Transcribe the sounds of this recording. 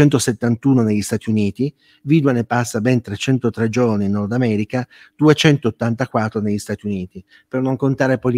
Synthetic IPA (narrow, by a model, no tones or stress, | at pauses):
ɛnt̪̬oset̪ːant̪uːnoneʎːist̪aːt̪iuniːt̪i | viːd̪uanepːasːabɛnt̪ɾet͡ʃɛnt̪ot̪ɾed͡ʒoɾniːnːɔrd̪amɛːɾika | d̪̥uet͡ʃɛnt̪oːt̪ːant̪akwat̪ːɾoneʎːist̪aːt̪iuniːt̪i | pernoŋkont̪aːɾepol